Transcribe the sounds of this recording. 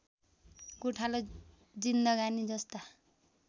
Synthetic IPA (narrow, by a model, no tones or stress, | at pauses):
ɡuʈʰalo | d͡zinːʌɡanid͡zʌst̪a